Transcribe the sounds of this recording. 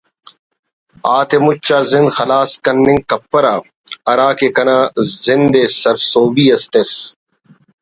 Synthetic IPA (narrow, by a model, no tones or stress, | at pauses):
aːt̪emut͡ɕːaːzɪ̃nd̪xɐlaːskɐnːɪ̃ŋkɐpːɐɾaː | ɐɾaːkekɐnaːzɪnd̪eːsɐɾsoːbiːɐsʈ̪es